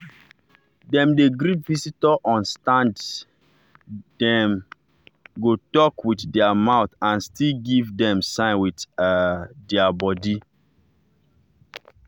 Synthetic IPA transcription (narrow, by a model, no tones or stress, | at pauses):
dɛ̃mdeɡɾipvisitɔʔɔ̃nstãnd | dɛ̃m | ɡotɔkwitdɛamaʊθãnstilɡivdɛ̃msãɪ̃nwit | dɛabɔdi